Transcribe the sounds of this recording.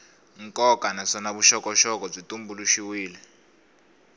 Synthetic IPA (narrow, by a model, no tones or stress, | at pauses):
ŋkʼɔkanasanaβuʃɔkʼɔʃɔkʼɔb͡ʐitʼumbuluʃiwiːlɛ